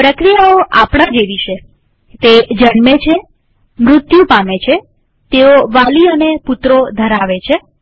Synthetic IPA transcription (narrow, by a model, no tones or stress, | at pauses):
pɾəkɾijaoʔapɽ̃ãd͡ʒeʋiʃe | t̪ed͡ʒəɳmet͡ʃʰe | mɾʊt̪jupamet͡ʃʰe | t̪eoʋaliəneput̪ɾod̪ʱəɾaʋet͡ʃʰe